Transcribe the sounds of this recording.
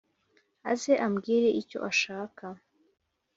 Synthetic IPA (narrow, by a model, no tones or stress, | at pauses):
a̰zeʔamɡiːɾe̞ʔico̞̰ʔaʃaːka